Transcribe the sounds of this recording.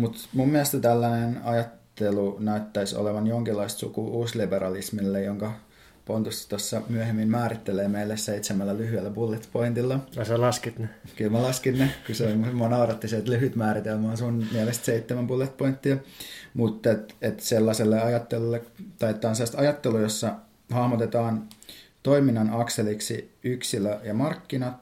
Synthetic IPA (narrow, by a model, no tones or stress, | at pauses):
mut̪mummiælst̪æt̪ælːænenɑjɑt̪ːelunæyt̪ːæiso̰leʋɑnjoŋkilːˑɑist̪sṵkuʔuːslibeɾɑlismilːejoŋkɑ | pont̪ust̪osːɑmyøhemːinmæːɾit̪ːeleːmeilːesseit̪semælːælyhyelːæpulːet̪point̪ilːɑselɑskit̪nekylmælɑskinnekysemonɑurɑt̪ːiset̪lyhyt̪mæːɾit̪elmæːnsunmiælest̪seit̪ːemæmpulːet̪point̪ːiɑmut̪ːet̪et̪selːɑselːeɑjɑt̪ːelulːet̪ɑjet̪ːˑɑːnselːɑst̪ɑjɑt̪ːelujosːɑ | hɑhmot̪et̪ɑːnt̪oiminːɑnɑkseliksiyksiløjɑmɑrkːinɑt̪